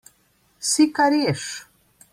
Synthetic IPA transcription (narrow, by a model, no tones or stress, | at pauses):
sikaɾieʂ